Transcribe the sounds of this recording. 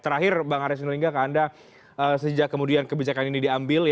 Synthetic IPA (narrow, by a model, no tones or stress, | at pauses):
t̪əɾaɦɪrbaŋaɾis̬nliŋɡakaːnda | əsəd͡ʒakːəmudiankəbid͡ʒakaninidiambɪlj